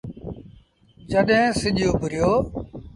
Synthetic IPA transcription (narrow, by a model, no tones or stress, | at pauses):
d͡ʒəɗẽːsɪʄjoːbʱʊɾɪjoː